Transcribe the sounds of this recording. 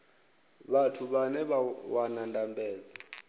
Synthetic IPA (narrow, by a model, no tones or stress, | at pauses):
βatʰuβanɛβawanandʼambɛːd͡za